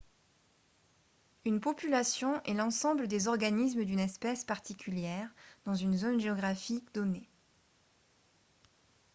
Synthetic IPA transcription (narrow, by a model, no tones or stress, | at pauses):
ynpɔpylasjɔ̃ʔɛlɑ̃sɑ̃bləd̪ezɔʁɡanisməd̪ynɛspɛspaʁt̪ʰikʲʰyljɛʁd̪ɑ̃zynzonʒeɔɡʁafikd̪ɔne